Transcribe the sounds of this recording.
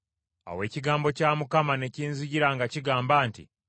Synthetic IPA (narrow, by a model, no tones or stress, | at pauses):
a̰we̞ːciɡaːmbo̞caːmukamane̞ciːnzuɟiɾaŋɡaciɡaːmbaːntḭ